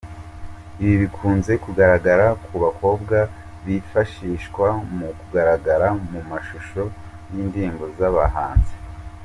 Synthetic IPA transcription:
iβiβikʰuːnze̞kuɡaɾaɡaɾakuβakʰo̞ːbɡa | βifaʃiːʃkwamukuɡaɾaɡaɾamumaʃuʃo̞ | niːndiːmbo̞zaβa̰ɦaːnze̥

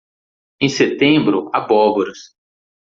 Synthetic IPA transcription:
ẽj̃set̪ẽbɾʊabɔboɾɐs

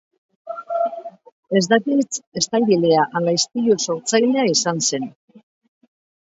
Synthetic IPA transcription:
e̞zd̪akit͡se̞st̪ajβileaʔalajst̪iʎuso̞ɾt͡sajle̞aisanse̞n

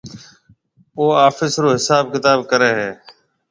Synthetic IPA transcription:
oːaːfɪsɾoːɦɪsaːbkɪt̪aːbkəɾeːɦeː

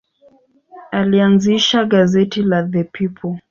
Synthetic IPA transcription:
alianziʃaɠazɛtilaðəpipʰɔl

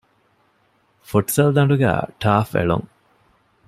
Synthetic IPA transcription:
foʈsɐld̪ɐɳɖuɡæ̰ːʈʰaːfḛɭṵŋ

